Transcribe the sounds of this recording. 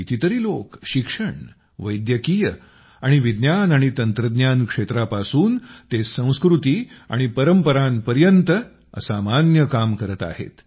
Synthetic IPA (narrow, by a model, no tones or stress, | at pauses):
it̪ʰit̪əɾiːlokɕikʂəɳ | ʋəjd̪jəkiːjə | aɽ̃iʋid̪njanaɽ̃it̪ənt̪ɾəd̪njankʂet̪ɾapasuːnt̪esə̃w̃skɾut̪iːa̰ɽ̃ipəɾəmpəɾanpəɾjənt̪ə | ə̰samanjəkamkəɾət̪a̰hḛt̪